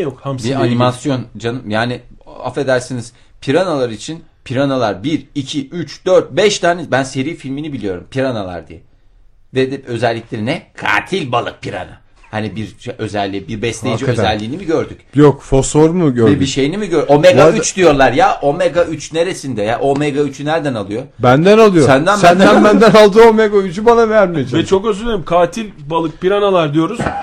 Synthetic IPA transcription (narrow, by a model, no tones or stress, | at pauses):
jokhamianimasjo̞nd͡ʒanɯmjaːnia̰fe̞d̪æɾsiniz̥ | pʰiɾanalˠaɾit͡ʃʰinpʰiɾanalˠaɾbiɾicʰiyt͡ʃd̪̥øɾt̪̚bɛʃt̪ʰaːnɛbænse̞ɾiːfilʲminibilʲijo̞ɾumpʰiɾanalˠa̰ɾd̪ḭjɛ | vɛd̪ɛø̞zɛlʲːiclʲe̞ɾinɛkʰa̰ːt̪ʰilʲbalˠɯ̰k̚pʰiɾa̰na̰ | hanibiɾʃeø̞zɛlʲːibiɾbɛslʲeid͡ʒiø̞zɛlʲːiːnimiɟø̞ɾd̪yc̚ʲjokfosoɾmuɟøɛbiʃe̞jinimiɟøɾomeɡayt͡ʃd̪ijo̞ɾlˠaɾjaʔo̞meɡayt͡ʃneɾe̞sind̪ɛjaʔo̞meɡayt͡ʃʰnæɾd̪ænalˠɯjo̞bænd̪ænalˠɯjossænd̪ænbænd̪ænbænd̪ænalˠd̪ɯomeɡayt͡ʃybanavæɾmijevɛt͡ʃʰo̞køzylʲeɾimkʰaːt̪ʰilʲbalˠɯk̚piɾanalˠaɾd̪ijo̞ɾuz̥